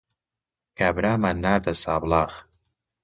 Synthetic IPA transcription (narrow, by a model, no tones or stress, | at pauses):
kabɾaːmanːaːɾd̪ɐsa̰ːblaːɣ